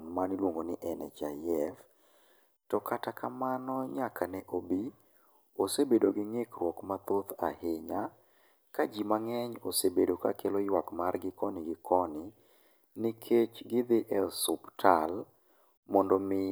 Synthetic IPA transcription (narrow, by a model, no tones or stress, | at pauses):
ŋmanlwoŋɡonɪʔɛnɛ̰t͡ʃajɛf | tɔkatakamanɔɲakanɛʔobi | osebedoɡɪŋekrwɔkmat̪ot̪a̰heɲa | kad͡ʒimaŋɛɲosebedoka̰kʰelɔjwakmarɡɪkʰɔnɪɡɪkʰɔnɪ | nɪkʰet͡ʃɡɪd̪ɪʔɛsʊptʰal | mɔndɔmɪ